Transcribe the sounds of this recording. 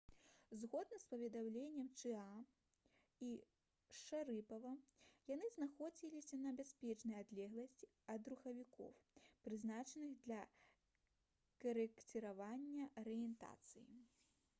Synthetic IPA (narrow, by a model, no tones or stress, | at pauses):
zɣɔd̪nɐspɐvʲɛd̪amlʲenʲːɛmt͡ʂɨa | i | ʂaɾɨpɐvɐjan̪ɨznaxɔd͡zʲilʲisʲɐnɐbʲasʲpʲɛt͡ʂnɐjad̪lʲɛɣlˠɐsʲt͡sʲi | ɐd̪ruxɐvʲikɔ̰wpɾɨznat͡ʂɐnɨɣd̪lʲɐ | kɐɾɛkt̪ʲɨɾavanʲːɐʔɐɾɨjɛnt̪a̰t̪sɨjḭ